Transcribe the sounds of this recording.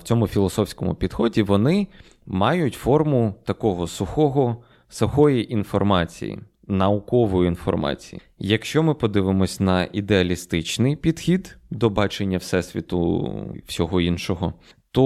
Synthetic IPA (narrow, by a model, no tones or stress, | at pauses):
w̥t͡sʲɔmʊfʲilˠɔsɔfsʲkɔmʊ̰pʲid̪̥xɔdʲiʋɔnɪ | mɑjʊtʲfɔrmʊt̪ɐkɔɦɔsʊxɔɦɔ | sɐxɔjiʔinfɔrmɑt͡sʲḭjḭ | nɐʊkɔʋɔjʊinfɔ̰rmɑ̰t͡sʲijḭ | jɐkʃt͡ʃɔmɪpɔd̪ɪʋɪmɔsʲnɐʔid̪eɐlʲist̪ɪt͡ʃnɪjpʲid̪̥xʲid̪d̪ɔbɑt͡ʃenʲːɐwsɛsʲʋʲḭt̪ʊ̰wsʲɔɦɔinʃɔɦɔ | t̪ɔ